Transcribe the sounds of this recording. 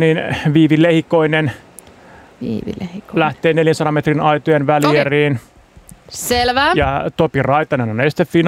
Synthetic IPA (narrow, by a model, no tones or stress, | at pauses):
niːnʋiːʋilehikoinen | hlæht̪eːneljænsɑɾɑmet̪rinɑit̪ojenʋælieriːn | selʋæjɑt̪opirɑit̪ɑnenonesi̥t̪effin